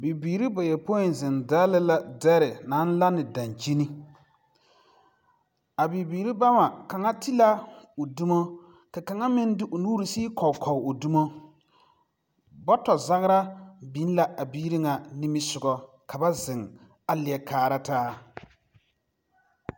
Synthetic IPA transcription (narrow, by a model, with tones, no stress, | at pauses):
bi˨biː˨ɾi˦ba˨jɛ˨po˦ɪ˨n˨zɪ˨ndaː˦lɪ˦la˨dɛ˦ɾɪ˨na˨˦n̩˦la˦nɪ˨da˨nt͡ʃi˦ni˦ | a˨bi˨biː˨ɾi˦ba˦ma˨ka˨ŋa˦ti˦la˦o˨du˦mo˦ | ka˨ka˨ŋa˦mɪ˦n˦dɪ˦ʔo˨nuː˦ɾi˨siː˦kɔ˨kʰɔ˨o˨du˦mo˦ | bɔ˦tɔ˨za˦ɣɪ˦ɾa˦bi˨˦n˦la˨ʔa˨biː˦ɾi˦ŋa˨ni˦mi˦sʊ˨ɡɔ˨ | kʰa˨ba˦zɪ˨ŋ | a˦lɪ˨ɛ˨kʰaː˨ɾa˦taː˦